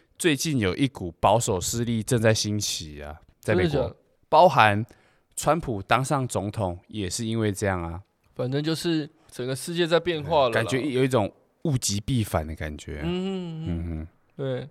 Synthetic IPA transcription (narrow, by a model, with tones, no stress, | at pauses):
t͡swe˥˧ɪt͡ɕi˥˩njo˨˩ʊʔi˥ku˨˩pɑ˧˦ʊso˨˩ʊʂɹ̩˥˧li˥˧ʈ͡ʂə˥˧ŋt͡sa˥˩ɪɕi˦nt͡ɕʰi˨˩a̰˨˩ | t͡sa˥˩m˨˧˩ɔ˧˨˦ | pɑ˦ʊɦa˧˦n | t͡sʰwa˦npʰu˨˩t̪a˥ŋʂɑ˥˩ŋt͡so˧˦ŋt̪ʰo˨˩˦ŋjɛ˨˩ʂɻ̩˥˧i˦˥nwe˥˧ɪʈ͡ʂɤ˥˧jɑ˥˩ŋa˨˩ | fa˨˩nt͡sə˦ŋt͡ɕjo˥˧ʊʂɻ̩˥˩ | t͡sə˨˩ŋɡə˩ʂɻ̩˥˧t͡ɕjɛ˥˧t͡sa˥˧ɪpjɛ˥˧nxwa˥˧lka˨nə˨t͡ɕɥɛ˧˦i˥jo˨ʊi˥˩ʈ͡ʂo˨˩ŋ | u˥˧t͡ɕi˧˦pi˥˨fa̰˨˩˦nd̪ə˦˩ka̰˨˩nt͡ɕɥɛ̰˨˦˥m̩˥˩h̩˥˦ | t̪we˥˩ɪ